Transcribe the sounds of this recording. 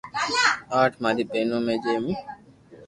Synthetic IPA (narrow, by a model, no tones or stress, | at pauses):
aːʈʰmaːɾipeːnõːmẽd͡ʒeːmĩ